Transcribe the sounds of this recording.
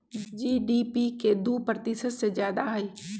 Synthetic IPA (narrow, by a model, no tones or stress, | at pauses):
d͡ʒiːɖiːpiked̪uːpɾət̪ɪsət̪sezjaːd̪aɦɛi